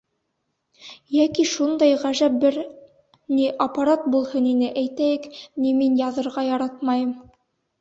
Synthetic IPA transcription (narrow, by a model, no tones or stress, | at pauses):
jækiʃund̪ɑjʁæʒæp̚bɘɾ | niʔɐpɑɾɑt̪̚bulˠhɤninɘʔæjt̪æjɘkniminjɑðɤ̆ɾʁɑjɑɾɑt̪̚mɑjɤm